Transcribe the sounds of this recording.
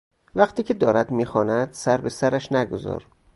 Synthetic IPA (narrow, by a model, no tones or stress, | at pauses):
væχt̪ʰiːcʰe̞d̪ɒːɾæd̪miːxɒːnæd̪̥sæɾbe̞sæɾæʃnæɡo̰zɒ̰ːɾ